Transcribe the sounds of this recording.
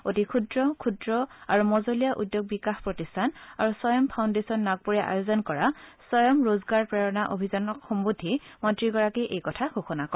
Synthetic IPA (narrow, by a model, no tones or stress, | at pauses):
otikʰudɹɔkʰudɹɔaɹumɔzolijaʔudjoɡ̚bikaxpɹɔtistʰanaɹusɔjɔmpʰawndesɔnːaɡ̚puɹɛʔa̰jozɔnkɔɹasɔjɔmɹozɡaɹpɹɛɹɔnaʔobʱizanɔkxɔmbudʱːimɔntɹiɡɔɹakiʔejkɔtʰaxoxɔnakɔ